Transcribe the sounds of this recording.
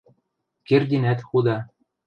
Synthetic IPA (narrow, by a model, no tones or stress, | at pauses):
kerd̪ʲinæt̪xud̪ɑ